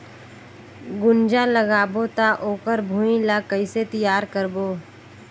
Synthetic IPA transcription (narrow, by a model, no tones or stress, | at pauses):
ɡʊnd͡ʒaləɡaːbot̪aʔoːkəɾbʱũːĩlakəɪset̪ɪjaːɾkəɾboː